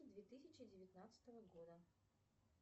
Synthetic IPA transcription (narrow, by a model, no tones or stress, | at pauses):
d̪vʲet̪ɨsʲɪt͡ɕɪdʲɪvʲɪt̪nat̪sɨ̥t̪əvəɡo̞d̪ə